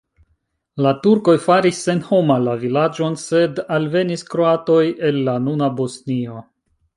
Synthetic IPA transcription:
latuɾko̞jfaɾisːe̞nho̞malavilad͡ʒo̞nse̞dalve̞niskɾo̞ato̞je̞lːanunabo̞snio̞

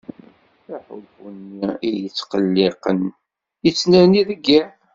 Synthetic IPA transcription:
θaħʊ̰bənːiijət͡sːqəlːiqən | jət͡sːnæɾniðəɡːæ

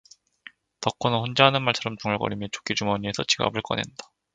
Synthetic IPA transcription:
tʌk͈ʌnɯnɸond͡ʑaɦanɯnmaɭt͡ɕʰʌɾʌmt͡ɕuŋaɭkʌɾimjʌt͡ɕo̥k͈id͡ʑuŋmʌɲiesʰʌt͡ɕʰiɡa̰bɯɭk͈ʌnḛndḁ

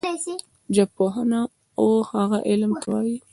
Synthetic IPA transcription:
asi | d͡ʒapoɦana | ohaɣaʔɪlmt̪ʰawɑji

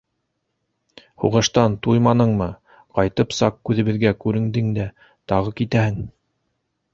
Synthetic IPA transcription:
hṵʁɤ̆ʃt̪ɑnt̪ujmɑnɤɴmɤ | qɑjt̪ɤpsɑq̚kʉðɘ̆βɘ̆ðɡækʉɾɘ̆ŋd̪ɘŋd̪æ | t̪ɑʁɤkit̪æhɘŋ

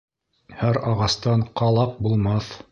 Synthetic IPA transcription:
hæɾɑʁɑst̪ɑɴqɑlˠɑq̚bulˠmɑθ

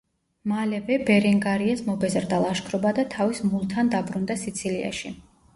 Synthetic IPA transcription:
malɛvɛbɛɾɛŋɡaɾiasmɔbɛzɾd̪alˠaʃkʰɾɔbad̪at̪ʰavismulˠt̪ʰand̪abɾund̪asit̪sʰilia̰ʃi

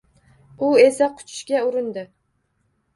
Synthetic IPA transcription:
ʊe̞saqʰʊ̥t͡ʃʰɪ̥ʃkʲaʊɾɪnd̪ɪ

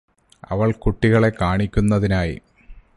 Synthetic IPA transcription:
ɐ̰ʋɐɭkuʈːiɣɐɭe̞kaːɳikʲːunːɐðinaːjḭ

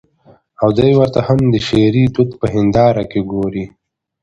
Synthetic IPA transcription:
awd̪ajwəɾt̪ahamd̪əʃeɾid̪ut̪pəɦɪnd̪ɑːɾakeɡoːɾi

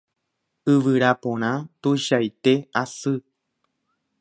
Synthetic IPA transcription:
ɨʋɨɾapõɾ̃ãt̪ujʃajt̪e̞asɨ

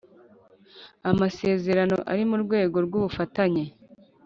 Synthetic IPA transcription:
amase̞ːze̞ɾano̞̰ʔa̰ɾimuɾɡwe̞ːɡo̞ɾɡuβufataɲe

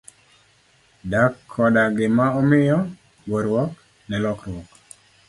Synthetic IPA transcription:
dakʰːɔdaɡɪmaɔmɪjɔ | ɡoɾwɔk | nɛlɔkɾwɔk

